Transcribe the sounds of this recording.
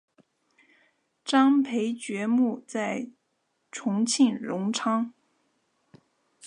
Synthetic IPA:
ʈ͡ʂɑ˥ŋpʰe˧˥ɪt͡ɕɥɛ˧˥mu˥˧t͡sa˥˩ɪ | ʈ͡ʂʰʊ˧˥ŋt͡ɕʰi˥˩nɻʊ˧˥ŋʈ͡ʂʰɑ˥ŋ

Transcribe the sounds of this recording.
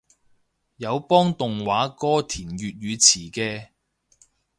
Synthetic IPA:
jɐ˨˧wpɔː˥ŋt̪ʊ˨ŋwaː˨˥kɔː˥t̪ʰiː˨˩nɥyː˨t̚jyː˨˧t͡sʰiː˨˩kɛː˧

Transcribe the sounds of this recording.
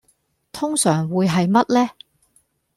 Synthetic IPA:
t̪ʰʊ˥ŋsœː˨˩ŋwuː˨˧jɦɐ˨jmɐ˥t̚lɛː˥

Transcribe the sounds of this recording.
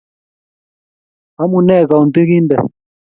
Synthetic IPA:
a˦mu˨nɛ˦˨ka˨u˨nt̪i˦ki˦ndɛ˨

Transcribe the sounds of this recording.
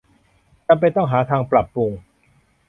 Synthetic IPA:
t͡ɕa˧mp̬a˧jt̪ɔ˥˩ŋɦaː˩˦t̪ʰaː˧ŋpla˨˩pːu˧ŋ

